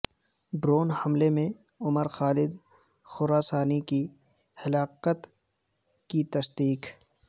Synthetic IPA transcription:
bɾoːnhɐmlemẽ | ʊməɾxaːlɪd̪ | xʊɾaːsaːniki | hɐlaːqət̪ | kit̪ɐsd̪iːq

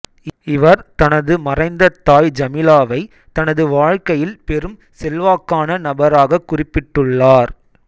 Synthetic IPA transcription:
ɪʋɐɾt̪ɐnɐðɯmɐrɐɪnd̪ɐt̪ːaːjd͡ʒɐmɪlaːʋɐɪ | t̪ɐnɐðɯʋaːɻkɐjɪlpɛɾɯm | sɛlʋaːkːaːnɐnɐbɐɾaːɣɐkːʊrɪpːɪʈːɯɭːaːɾ

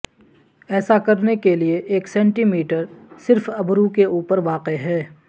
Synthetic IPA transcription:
ɛːsakɐɾnekelieʔeːksɛ̃ːɳʈimiːʈəɾsɪɾfɐbɾukeuːpəɾʋaːqeɦɛː

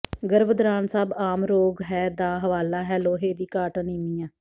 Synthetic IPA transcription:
ɡəɾʋəd̪ɾaːnsaːbaːmɾoːɡɦɛːd̪aːɦəʋaːlaːɦɛːloːɦeːd̪iːkaːʈaniːmiːãː

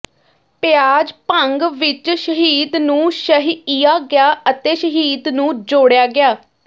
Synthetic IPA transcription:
pɪjaːd͡ʒpəŋɡʋɪt͡ʃʃəɦiːd̪nũːʃəɦiiːjaːɡɪjaːət̪eːʃəɦiːd̪nũːd͡ʒoːɽjaːɡɪjaː

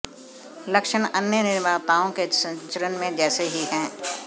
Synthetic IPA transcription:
lɐkʃəɳɐnjənɪɾmaːt̪aːõkesɐ̃ɲt͡ʃəɾənmẽd͡ʒɛːseɦiɦɛ̃ː

